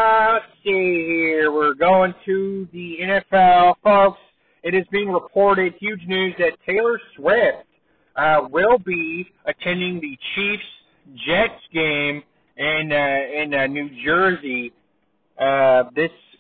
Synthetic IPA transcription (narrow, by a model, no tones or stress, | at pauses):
sihiɹwɪɹɡoʊɪ̃ŋtʰɨðiɛ̃ñɛfɛlˠfoʊks | ɨɾ̚ɨzbĩɪ̃ŋɹəpʰɔɹɾɪd̚hjʉd͡ʒnʉzðɨtʰeɪlˠə˞swɪft̚ | ʌwɪlˠbi | ɨtʰɛ̃ndɪ̃ŋðɨt͡ʃʰifs | d̥d͡ʒɛtsɡ̥ẽɪ̃m | ɪ̃nɪ̃nnːʉd͡ʒɜ˞zi | ʌðɪs